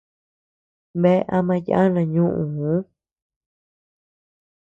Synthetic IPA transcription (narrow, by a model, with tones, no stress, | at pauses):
βe˦˧ʔa˧mã˧ja̰˦nã˧ɲũ˦ʔũ˨ũ˨˦